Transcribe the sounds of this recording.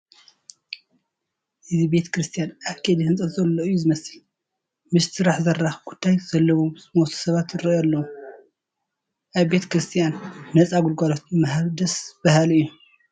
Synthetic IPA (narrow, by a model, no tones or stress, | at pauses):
ʔɨzibe̞t̪ʰkʰɾɨst̪ʰijanaβkʰed̪ihɨnt͡sʼɐt̪zɐlːoɨjːuzɨmɐsil | mɨst̪ʰɨɾaħzɐrːaxkʰut̪ʰːajz̥ɐlːɐwusmot̪ʰɐ̥sɐβat̪ɪɾijalːɐwu | ʔaβbe̞t̪ʰɐ̥kɾɨst̪ʰijanːɐt͡sʼaɡulɡalot̪̚ɨmahad̪ɐsb̥ahaliɨjːu